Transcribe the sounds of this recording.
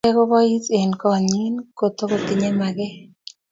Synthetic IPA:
ɛ˦ko˦bɔ˦i˦se˨nkɔ˨ɲi˦nko˨t̪o˦ko˨t̪ɪ˨ɲe˦ma˨ɡɛ˦

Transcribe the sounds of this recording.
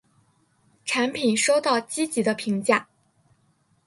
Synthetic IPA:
ʈ͡ʂʰa˧˥npʰi˨˩nʂo˥ʊt̪ɑ˥˩ʊt͡ɕi˥t͡ɕi˧˥d̪ə˧pʰi˧˥ŋt͡ɕja˥˩

